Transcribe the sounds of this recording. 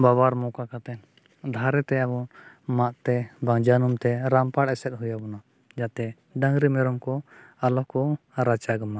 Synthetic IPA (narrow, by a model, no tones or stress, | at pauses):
babaɾmɔkakat̪ɛn | d̪ʱaɾɛt̪ɛabɔn | maʔt̪ɛbaŋd͡ʒanumt̪ɛɾampaɽɛsɛt̪̚ɦujabɔna | d͡ʒat̪ɛ | ɖãŋɾimɛɾɔmkɔalɔhkɔ | ɾat͡ʃaɡəma